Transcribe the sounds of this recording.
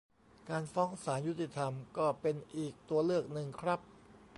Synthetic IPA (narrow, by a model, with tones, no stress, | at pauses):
kaː˧nfɔː˦˥ŋsaː˩˦nju˦˥t̪ːi˧˩t̪ʰa˧mkɔː˥˩pe˧nʔiː˨˩k̚t̪u˧ɐlɯ˥˩ək̚nɯ˨˧ŋkʰɾa˦˥p̚